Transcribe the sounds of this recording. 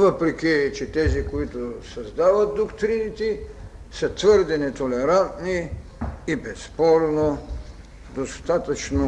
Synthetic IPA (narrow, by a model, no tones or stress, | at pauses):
vəpɾɛkʲit͡ʃɛt̪ɛzikoit̪osɐzd̪avɐt̪̚d̪okt̪ɾinit̪i | sət̪vəɾd̪ɛnɛt̪olɛɾant̪niː | bɛspɔɾno | d̪ost̪at̪ɐt͡ʃno